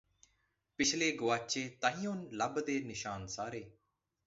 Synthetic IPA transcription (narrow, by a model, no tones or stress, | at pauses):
pɪt͡ʃʰleːɡʊʋaːt͡ʃeːt̪əɦĩjõːnləbd̪eːnɪʃaːnsaːɾeː